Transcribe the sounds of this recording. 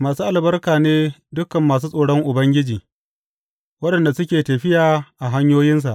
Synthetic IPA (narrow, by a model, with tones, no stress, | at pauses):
maː˨suː˦ʔa˨lbɐ˦rkaː˨neː˦dʊ˦kːɐ˨mːaː˨s̬uː˦sʼoː˨ɽɔ˦ŋʔʊ˨bɐ˦ŋɡʲɪ˦d͡ʒiː˨ | wɐ˦ɗɐ˨nda˨sʊ˦kʲeː˨tɐ˨ɸɪ˦jaː˨ʔa˨ɦa˦ɲjoː˦jɪ˦ns̬a˨ʔ